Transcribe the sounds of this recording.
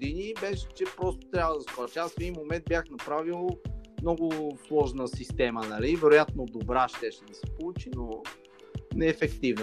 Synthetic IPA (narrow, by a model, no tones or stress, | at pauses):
d̪inibɛʃɛ̥t͡ʃɛpɾɔst̪o̥t̪ɾʲjavəd̪ɐskɔɾʃasfɛd̪inmomɛnd̪̚bʲjaxnɐpɾavilˠmnɔɡʊslˠɔʒnəsist̪ɛmənɐlivɛɾojat̪nod̪obɾaʃt̪ɛʃɛd̪ɐsɛ̥polˠut͡ʃino | nɛːfɛkt̪ivnə